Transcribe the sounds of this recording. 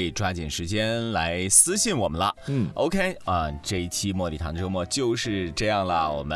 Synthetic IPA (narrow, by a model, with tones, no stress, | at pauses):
i˨˩ʈ͡ʂwa˥t͡ɕɛ˨˩nʂɻ̩˧˥t͡ɕjɛ˥nla˧˥ɪsɹ̩˥ɕi˥˩nwɔ˨˩mə˦nlə̰˧ʔo˧ʊkʰe˥ɪə˥˧ʈ͡ʂɤ˥˩i˥˩t͡ɕʰi˥mwɔ˥˩lḭ˨˩˧d̪ə˧ʈ͡ʂo˥ʊmwɔ˥˩t͡ɕjo˥˧ʊʂɻ̩˥˧ʈ͡ʂɤ˥˧jɑ˥˩ŋlə˩wɔ̰˨˩mə˦